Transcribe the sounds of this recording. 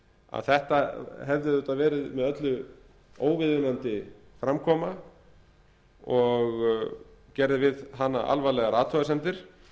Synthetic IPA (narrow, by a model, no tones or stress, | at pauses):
a̰ðθɛht̪aɦɛvðɪʏt̪aðvɛːɾɪðmɛðœt̪lʏ | oːwvɪðvʏnant̪ɪfɾamkʰɔːma | ɔɣ | cɛɾðɪvɪðɦanːa̰ʔa̰lvalɛɣaɾaːt̪ʰɔɣasɛnt̪ɪɾ̥